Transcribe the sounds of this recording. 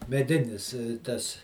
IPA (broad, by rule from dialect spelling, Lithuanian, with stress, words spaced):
mʲɛˈdʲɪnʲɪs ˈtɐs